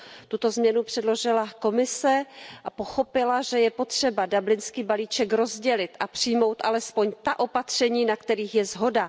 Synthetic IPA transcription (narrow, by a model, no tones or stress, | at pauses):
t̪ut̪o̞zmɲɛnupr̥ɛdloʒɪlako̞mɪsɛʔapo̞xo̞pɪlaʒɛjɛpo̞t̪r̥ɛbadablɪnskiːbaliːt͡ʃɛkɾo̞zɟɛlɪt̪ʔapr̝̥ɪjmo̞wt̪ʔalɛspo̞ɲt̪aʔo̞pat̪r̝̥ɛɲiːnakt̪ɛɾiːxjɛzɦo̞da